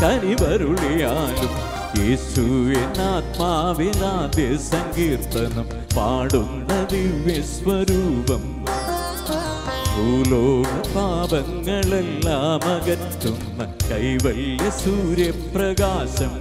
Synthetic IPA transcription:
k̪ɐniʋɐɾuɭejaːlum | jeːsuenaːt̪̚maːʋenaːd̪jɐsɐŋɡiːrt̪ɐnɐm | paːɽunːɐʋiʋjɐsʋɐɾuːbɐm | bʱuːloːɽɐbʱaːʋɐŋːɐɭɛlːaːmɐɣɐt̪ːunːɐkɐjʋɐɭjɐsuːɾjɐprɐɡaːɕɐm

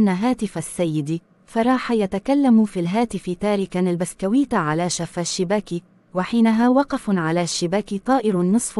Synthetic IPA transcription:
ʔnːaɦaːt̪ɪfasːajːɪd̪i | fɑɾˤɑːħajat̪akalːamufiːlɦaːt̪ɪfɪt̪aːɾɪkanalbaskawɪːt̪aʕalaʃafaʃːɪbaːki | waħiːnaɦaːwɑqɑfʕalaːʃːɪbaːkit̪ˤɑːʔɪɾnːɨsˤf

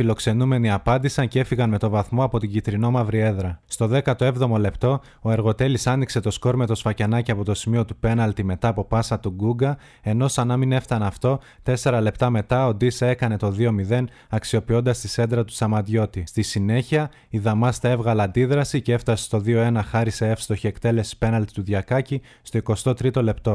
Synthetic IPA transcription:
filo̞kse̞nume̞niɐpɐnd̪isɐnce̞fiɣɐnme̞t̪o̞vɐθmo̞ɐpo̞t̪iɟit̪ɾino̞mɐvɾie̞ðɾɐst̪o̞ðe̞kɐt̪oe̞vðo̞mo̞le̞pt̪o̞ | oe̞ɾɣo̞t̪e̞lisɐnikse̞t̪o̞sko̞ɾme̞t̪o̞sfɐcenɐceɐpo̞t̪o̞simio̞t̪upe̞nɐlt̪ime̞t̪ɐːpo̞pɐsɐt̪uɡuɡɐ | e̞no̞sɐnɐmine̞ft̪ɐnɐft̪o̞ | t̪e̞se̞ɾɐle̞pt̪ɐme̞t̪ɐo̞d̪ise̞kɐne̞t̪o̞ðio̞miðe̞n | ɐksio̞pio̞nd̪ɐst̪ise̞nd̪ɾɐt̪u̥sɐmɐt̪ʝo̞t̪ist̪isine̞çiɐ | iðɐmɐst̪ɐe̞vɣɐlɐnd̪iðɾɐsicee̞ft̪ɐse̥st̪o̞ðioe̞nɐxɐɾise̞e̞fst̪o̞çiekt̪e̞le̞si̥pe̞nɐlt̪it̪uðʝɐkɐci | st̪o̞iko̞st̪o̞t̪ɾit̪o̞le̞pt̪o̞

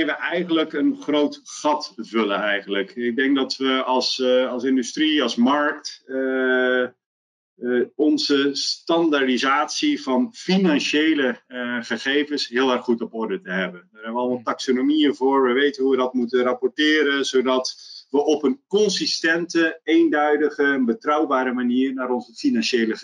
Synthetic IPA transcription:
ʋəʔɛjχənləkənχrowtχɑtvɵlənɛjχənləkɪɡ̚dɛŋk̚dɑtʋəɑlˠsɑlˠsɪndystriɑlˠsmɑɹkt | ɔnzəstɑndaɹdizaːtsivɑnfinɑnʃejləχəχejvənsɦɪːlˠɛrχχutɔpɔɹdətəɦɛbəndəːrɦɛbəʋəɑlˠmɑlˠtaksonomiəvʊːɹʋəʋejtənɦuʋədɑtmutənrapɔɹtɪːɾənzowdɑtʋəʔɔpənkɔnsistɛntəejndœɥdəχəbətrɑwbaːɾəmaniːrnaːɾɔnzəfinɑnʃejlə

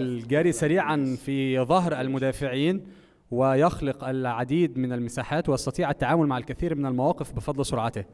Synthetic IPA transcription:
ʔlɡæːɾisæɾiːʕanfiðˤɑɦɾʔælmʊd̪æːfɪʕiːn | wɪjɑxlɪqʔælʕad̪iːd̪mɪnælmɪsaːħaːt̪wjɑsˤt̪ɑt̪ˤiːʕʔæt̪ːaʕaːmʊlmaʕalkæθiːɾmɪnælmawɑːqɪfbɪfɑd̪ˤlsʊɾʕɑt̪ɪh

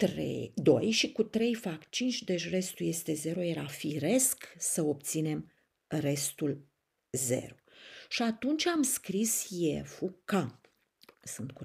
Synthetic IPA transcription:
t̪ɾḛd̪o̞̰jʃikut̪ɾe̞jfakt͡ʃint͡ʃʲd̪e̞ʃre̞st̪ulje̞st̪e̞ze̞ɾoje̞ɾafiɾe̞sksəo̞p̚t̪sine̞m | re̞st̪ul | ze̞̰ɾoʃiat̪unt͡ʃʲamskɾisje̞fuka | sɨnt̪̚ku

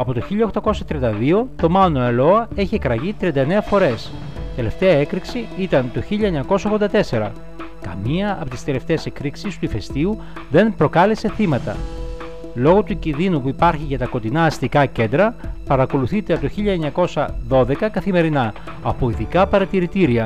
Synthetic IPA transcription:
ɐpo̞t̪o̞çiʎɐoxt̪ɐko̞sɐt̪ɾiɐnd̪ɐðio̞t̪o̞mɐnoelo̞ɐe̞çie̞kɾɐʝit̪ɾiɐnd̪ɐene̞ɐfo̞ɾe̞s | t̪e̞le̞ft̪e̞ɐe̞kɾiksiit̪ɐnt̪o̞çiʎɐeɲɐko̞sɐoɣðod̪ɐt̪e̞se̞ɾɐ̰ | kɐ̰miɐːpo̞t̪ist̪e̞le̞ft̪e̞ːsekɾiksist̪uife̞st̪iu | ðe̞npɾo̞kɐle̞se̞θimɐt̪ɐ̰ | lo̞ɣo̞t̪ucinðinupuipɐɾçiʝɐt̪ɐko̞t̪inɐːst̪ikɐce̞nd̪ɾɐpɐɾɐko̞luθit̪eɐpt̪oçiʎɐeɲɐko̞sɐðo̞ðe̞kɐkɐθime̞ɾinɐː | po̞iðikɐpɐɾɐt̪iɾit̪iɾiɐ

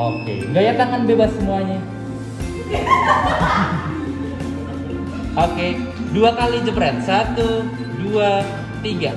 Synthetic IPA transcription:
okḛŋɡajat̪aŋanbebasːəmuaɲa | okeduakalid͡ʒəbɾɛt̪̚sat̪u | dua | t̪iɡa

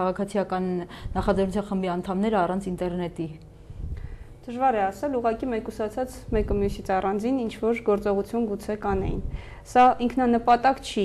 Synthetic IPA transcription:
ɑʁɑkʰɑt͡sʰijɑkɑnːɑχɑd͡zɛɾrnut͡sʰɑnχəmbiɑnt̪ʰɑmnɛɾəɑrɑnt͡sʰint̪ɛɾnɛt̪i | d̪̥əʒvɑɾɛɑsɛluʁɑkimɛkusɑt͡sʰɑt͡smɛkəmjusit͡sʰɑrɑnd͡zinint͡ʃʰvɔɾɡɔɾt͡sɔʁut͡sʰjunɡut͡sʰɛkɑnɛ̰jḭn | sɑiŋkʰnɑnəpɑt̪ɑkt͡ʃʰi

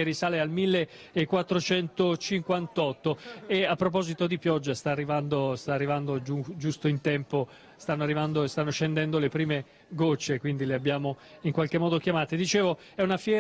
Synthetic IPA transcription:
erːisaːlealmilːeːkːwat̪ːɾot͡ʃɛnt̪ot͡ʃiŋkwant̪ɔt̪ːoeapːɾop̬ɔzit̪od̪ipjɔd͡ʒːast̪aːrːivand̪ost̪aːrːivand̪od͡ʒud͡ʒust̪oint̪ɛmpo | st̪anːoarːivand̪oest̪anːoʃend̪ɛnd̪olepɾiːme | ɡot͡ʃːekwind̪ileabjaːmoiŋkwalk̟emːɔːd̪okjamaːt̪ed̪it͡ʃeːvo | ɛunafjɛː

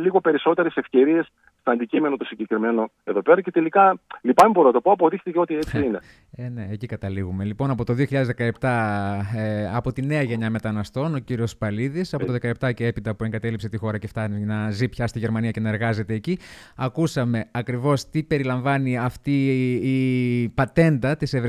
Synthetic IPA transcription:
liɣo̞pe̞ɾiso̞t̪e̞ɾesefce̞ɾies | st̪oɐnd̪icime̞not̪osiɲɟe̞kɾime̞no̞ | e̞ðo̞pe̞ɾɐce̞t̪e̞likɐlipɐmeboɾenɐt̪o̞poɐpoðixt̪iceo̞t̪iet͡ssiine | ene̞ːcikɐt̪ɐliɣume̞lipo̞nɐpo̞t̪o̞ðioçiʎɐðezðekɐep̚t̪ɐ | ɐpo̞t̪ine̞ɐʝe̞ɲɐme̞t̪ɐnɐst̪o̞no̞ciɾio̞spɐliðisɐpo̞toðekɐep̚t̪ɐcee̞pit̪ɐpue̞ŋɡɐt̪e̞lipse̞t̪ixo̞ɾɐce̞ft̪ɐninɐzipçɐst̪iʝe̞ɾmɐniɐce̞nɐeɾɣɐze̞t̪e̞ːciɐkusɐme̞ɐkɾivo̞st̪ipe̞ɾilɐɱvɐniɐft̪iː | pɐt̪e̞nd̪ɐt̪isevɾ

